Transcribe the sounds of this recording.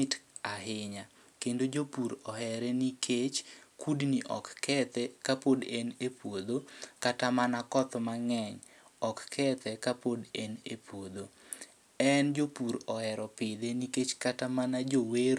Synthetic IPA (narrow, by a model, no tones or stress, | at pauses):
ɪtaɦɪɲa | kendod͡ʒopuɾɔɦɛɾɛnikʰet͡ʃkudniʔɔ̰kːɛt̪ɛkapodenepwod̪okatamanakɔt̪maŋɛɲ | ɔkːʰɛt̪ɛkapodenepʰwod̪o | ɛnd͡ʒopuɾɔhɛɾɔpɪd̪eniket͡ʃkatamanad͡ʒoweɾ